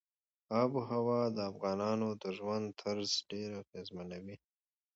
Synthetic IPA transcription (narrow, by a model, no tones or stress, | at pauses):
ɑbɦawɑd̪əafɣɑnɑnod̪əʒwand̪̚t̪ʰaɾzɖeɾaɣezmanawi